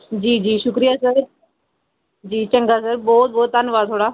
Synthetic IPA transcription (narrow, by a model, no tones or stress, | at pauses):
d͡ʑiːd͡ʑiːʃʊkɾijasəɾ | d͡ʑiːt͡ʃɐ̃ŋɡasəɾbɔːt̪̚bɔːt̪anuʋaːd̪t̪ʰoːɽaː